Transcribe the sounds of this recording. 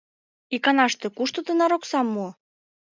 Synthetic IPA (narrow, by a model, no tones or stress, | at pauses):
ikɑnɑʃt̪ĕkuʃt̪ot̪ɤnɑɾoksɑmːu